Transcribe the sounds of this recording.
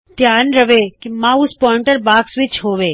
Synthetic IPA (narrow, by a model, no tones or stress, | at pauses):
t̪jaːnɾəʋekimãuspɔɪɳʈəɾbaːksʋit͡ʃʰɦoːʋe